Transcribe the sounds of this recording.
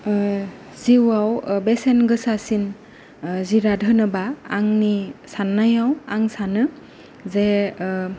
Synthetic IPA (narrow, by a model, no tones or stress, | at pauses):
ziwawbesenɡɯsasin | ziɾadʱɯnɯbaːŋnisanːajawaŋsanɯ | ze